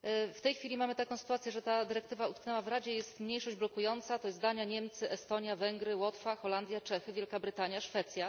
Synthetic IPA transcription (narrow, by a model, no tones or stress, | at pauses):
ft̪ɛjxfʲilʲimamɘt̪akɔ̃w̃sɘ̥t̪uat̪sʲjɛʐɛt̪ad̪ɘɾɛk̚t̪ɘvaut̪knɛwavɾad͡ʑɛjɛst̪mɲejʂɔʑd͡ʑblɔkujɔnt̪sat̪ɔjɛzd̪aɲaɲɛmt̪sɘʔɛst̪ɔɲjavɛŋɡɾɘwɔt̪faxɔland̪ʲjat͡ʂɛxɘvʲjɛlkabɾɘt̪aɲjaʂfɛt̪sʲja